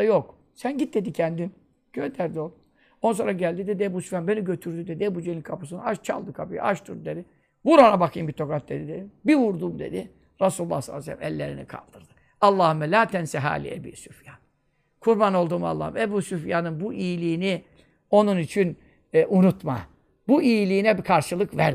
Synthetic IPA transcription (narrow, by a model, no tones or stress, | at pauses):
ajok | sænɟit̪̚d̪e̞d̪icʰɛnd̪im | ɟ̥ød̪æɾd̪olˠ | ons̬o̞ɾaɟælʲd̪id̪ɛd̪ɛbusufjanbe̞niɟøt̪ʰyɾd̪yd̪ed̪ɛbud͡ʒenikʰapus̬ɯnaʃt͡ʃʰa̰lˠd̪ɯkʰapij̰ʔaʃt̪ʰuɾd̪ed̪i | buɾanabakʰɯjmbit̪ʰo̞kat̪̚d̪e̞d̪id̪ed̪imbivuɾd̪umd̪e̞̰d̪i | ɾasulˠulːˠa̰hslˠːsɛ̰lʲːḭmɛ̰lʲːeɾḭnḭkʰa̰lˠd̪ɯɾd̪ɯ | ɑlˠːaːhɯmɛlʲaːt̪ʰɛnsɛɦa̰ːlʲḭebḭːsufjan | kʰuɾbano̞lˠd̪uma̰lˠːa̰hɯmebuːsufjanɯnbuʔijilʲiːni | o̞nunit͡ʃʰin | ʔunut̪ma̰ | buijilʲiːnɛbikʰaɾʃɯlˠɯkvæɾ